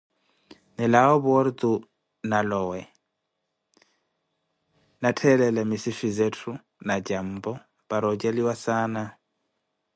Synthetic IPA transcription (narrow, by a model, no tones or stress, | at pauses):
nɪlaɔbʊɔɾt̪ʼu | nalɔːwɛ | natʰɛlɛlɛmisifizetʰu | nad͡ʒʼam̩ːbɔ | b̥aɾɔd͡ʒaliwasaːna